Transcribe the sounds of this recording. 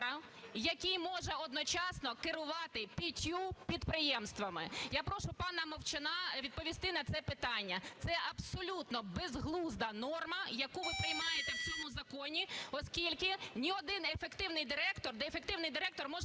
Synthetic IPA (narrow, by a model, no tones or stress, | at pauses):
ɐ | jɐkʲijmɔʒɛɔd̪nɔt͡ʃɑsnɔkɪɾʊʋɑt̪ɪpʲitʲupʲid̪pɾɪjɛmst̪ʋɐmɪjapɾɔʃʊpɑnɐmɔwt͡ʃenɑʋʲid̪̚pɔʋʲist̪ɪnɐt̪sɛpɪt̪ɑnʲːɐt̪sɛʔɐbsɔlʲut̪nɔbezɦlˠuzd̪ɐnɔrmɐjɐkuʋɪpɾɪjmɑjet̪ɛwt͡sʲɔmʊzɐkɔnʲiɔskʲilʲkɪnʲiɔd̪ɪnefekt̪ɪwnɪjd̪ɪɾɛkt̪ɔrd̪ɛefek̚t̪ɪwnɪjd̪ɪɾɛk̚t̪ɔrmɔʒ